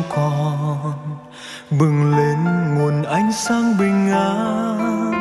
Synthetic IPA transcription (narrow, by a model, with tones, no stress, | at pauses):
kɔ˨n | ɓɨ˨˩ŋle˨˦nŋo˨˩ənʔa˧˦jŋ̟saː˧ŋɓï˨˩ŋ̟ːaː˧˦